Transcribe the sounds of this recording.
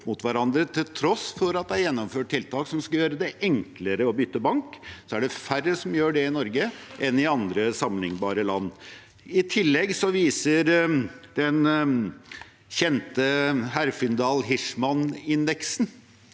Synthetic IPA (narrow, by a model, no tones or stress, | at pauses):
mʊt̪ʋæɾɑnd̪ɾət̪ʰɪlt̪ʰɾɔsfɔɾɑt̪̚d̪æjɛnːɔmføːʈ̚ʈɪlt̪ɑːksɔmskɑljøːɾəd̪ɛʔɛŋkləɾəɔbʏt̪ːəbɑŋksɔæɖɛfærːəsɔmjøːɖɛɪnɔɾɡəʔɛnɪɑnd̪ɾəsɑmlɪŋbɑːɾəlɑnː | ɪt̪ʰɪlːɛɡsɔʋiːsəɾd̪̥ɛn | çɛnt̪əɦæɾfɪnd̪ɑːlɦɪʂmɑnɪnd̪ɛksn